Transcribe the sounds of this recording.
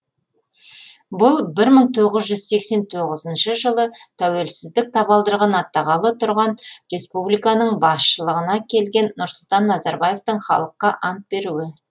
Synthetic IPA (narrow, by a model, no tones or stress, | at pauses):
bʊlˠbɪɾməɴt̪ʰo̞ʁəzʒʏzse̞kse̞nt̪ʰoʁəzənʃəʒəlˠət̪ʰæwe̞lsɪzd̪ɪk̚t̪ʰɑbɑlˠd̪əɾʁɑnɑt̪ːɑʁɑlˠət̪ʰʊɾʁɑnre̞spublijkɑnəɴbɑsʃəlˠəʁənɑkʲʰe̞lɡʲe̞nːʊɾsʊlˠt̪ɑnːɑzɑɾbɑjeft̪əɴχɑ̰lˠəqːɑʔɑnt̪̚be̞ɾuwɪ